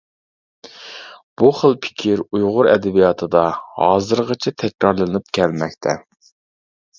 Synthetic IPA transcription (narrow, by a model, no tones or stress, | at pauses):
b̥uχəlˠpʰɪ̥kʲʰiɾujʁʊɾɛ̰d̪ɛbijɑt̪ʰɨd̪ɑhɑːzɨɾʁət͡ʃʰɛt̪ʰɛkʲɾɑɾlˠɨnɨp̚kʲʰɛlmɛkʲt̪ʰɛ